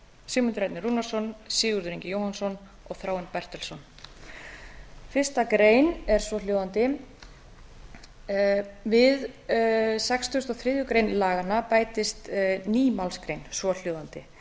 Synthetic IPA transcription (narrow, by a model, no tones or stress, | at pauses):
sʏːmʏnt̪ɪɾajt̪nɪɾruːnasɔnsɪːɣʏɾðʏɾĩɲcɪjowhansɔn | ɔɣθɾaːwɪnpɛr̥t̪ɛlsɔn | fɪr̥st̪akɾeːjnɛɾ̥svɔljowðant̪ɪ | vɪð | sɛkst̪ʏst̪ɔɣθɾɪːðjʏkɾejnlaːɣanːapaːjt̪ɪst̪niːmawlskɾejnsɔl̥joːwðant̪ɪ